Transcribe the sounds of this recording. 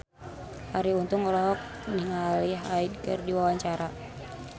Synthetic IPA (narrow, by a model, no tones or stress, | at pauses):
haɾiunt̪uŋɔlɔɦɔk̚ | niŋaliɦaid̚kɨrdiwawaɲt͡ʃaɾa